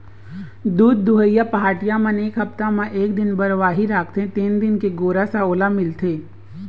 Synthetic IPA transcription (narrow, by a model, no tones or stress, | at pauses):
d̪uːd̪̚ːʊɦəjːapɐɦaːʈijãmãneːkɦɐpt̪amãʔeːkd̪ɪnbɐɾʋaːɦiɾaːkʰt̪ẽt̪iːnd̪ɪnkeɡoːɾasaoːlamɪlt̪ʰeː